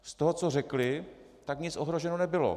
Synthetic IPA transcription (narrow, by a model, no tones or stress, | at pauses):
st̪oɦot͡so̞rɛklɪ | t̪akɲɪt͡sʔo̞ɦɾo̞ʒɛnonɛbɪlo̰